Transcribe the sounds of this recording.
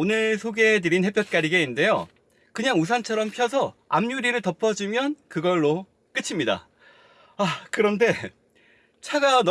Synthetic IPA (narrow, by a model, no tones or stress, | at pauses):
onɯɭsʰoɡedɯɾinhe̞pjʌt̚k͈aɾiɡeinde̞jo | kɯɲaŋus̬ʰant͡ɕʰʌɾʌmpʰjʌs̬ʰʌa̰mɲuɾiɾɯɭtʌpʰʌd͡ʑimjʌnkɯɡʌɭːo | k͈ɯt͡ɕʰimɲida̰ | akɯɾʌnde̞ | t͡ɕʰaɡan